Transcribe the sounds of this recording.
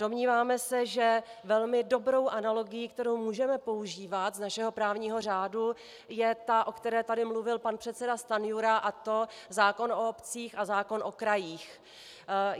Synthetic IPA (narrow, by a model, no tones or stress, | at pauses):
d̥o̞mɲiːvaːmɛsɛʒɛvɛlmɪdo̞bɾo̞wʔanalo̞ɡɪjiːk̚t̪ɛɾo̞wmuːʒɛmɛpo̞uʒiːvat̪znaʃɛɦo̞pɾaːvɲiːɦo̞r̝aːdu | jɛt̪aʔo̞kt̪ɛɾɛːt̪adɪmluvɪlpanpr̝̥ɛt̪sɛdast̪anɪjuɾaʔat̪o̞zaːko̞noopt͡siːxazaːko̞nʔo̞kɾajiːx